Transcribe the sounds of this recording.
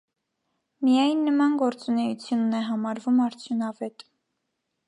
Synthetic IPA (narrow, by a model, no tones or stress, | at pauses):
mijɑjnːəmɑnɡɔɾt͡sunɛjut͡sʰjunːɛɦɑmɑɾvumɑɾt͡sʰjunɑvɛt̪